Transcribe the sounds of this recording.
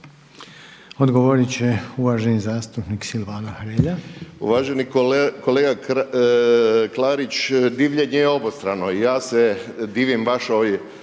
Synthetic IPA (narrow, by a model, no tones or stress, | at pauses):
od̪ɡoʋoɾit͡ɕeuʋaːʒenizaːst̪upniksilʋaːnaxɾeːʎaṵʋaːʒeniko̞leːɡa | klaːɾit͡ʃd̪iːʋʎeɲejeo̞bost̪ɾano̞ijaːsed̪iːʋimʋaʃoʋj